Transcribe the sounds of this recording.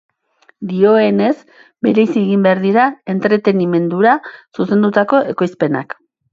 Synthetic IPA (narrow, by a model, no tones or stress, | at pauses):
d̪io̞e̞ne̞z | be̞ɾe̞jsieɣimbe̞aɾðiɾae̞nt̪ɾe̞t̪e̞nime̞nd̪uɾasuse̞nd̪ut̪ako̞e̞ko̞jspe̞na̰k